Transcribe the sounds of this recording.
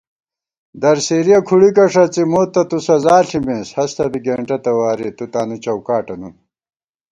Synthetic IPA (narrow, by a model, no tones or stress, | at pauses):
d̪ɐɾseːɾijɐkʰuɽikɐʂɐt͡simoːt̪ːɐt̪usɐzaːɬimẽːshɐst̪ɐbiɡeːɳʈɐt̪ɐwaːɾet̪ut̪aːnut͡ɕɐwkaːʈɐnu